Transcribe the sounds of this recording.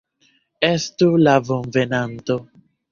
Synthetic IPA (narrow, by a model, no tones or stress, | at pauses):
estulavonvenanto